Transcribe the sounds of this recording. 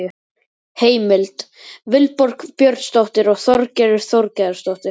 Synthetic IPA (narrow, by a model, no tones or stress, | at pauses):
ʏ | heːjmɪlt̪ | vɪlpɔɾ̥kpjœɾt̪st̪ɔwht̪ɪɾɔɣθɔɾcɛɾɪɾ̥θɔwɾcɛðʏɾst̪ɔwht̪ɪɾ